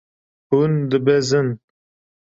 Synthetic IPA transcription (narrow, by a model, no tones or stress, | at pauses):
hund̪ɨbɛzɨn